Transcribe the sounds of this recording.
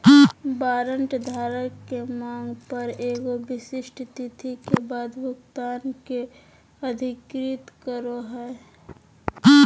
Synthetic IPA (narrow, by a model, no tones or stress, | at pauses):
baːɾə̃ɳʈd̪ʱaːɾəkːemaːŋɡpəɾeːɡobɪsɪʃʈʰt̪it̪ʰikebaːd̪bʊkt̪aːnke | ɐd̪ʱɪkɾɪt̪kəɾoɦɛː